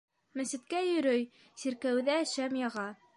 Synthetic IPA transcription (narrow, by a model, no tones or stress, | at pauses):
mɘ̆sɘ̆t̪̚kæjɵ̆ɾɵj | siɾkæwðæʃæmjɑʁɑ